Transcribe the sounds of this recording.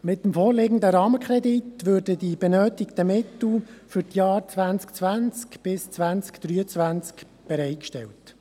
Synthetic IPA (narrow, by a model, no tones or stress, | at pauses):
mɪtːəmfoːɾleɡən̩d̪əɾɑːməkχɾɛd̪itʋøːrdədib̥ɛnøːtɪkt̪əmɪtl̩fʏɾtjɑːɾt͡sʋænt͡skt͡svænt͡skb̥ɪst͡sʋænt͡skd̥̪ɾyːət͡svænt͡sk | b̥ɛɾɛɪt̚kʃtɛ̰lt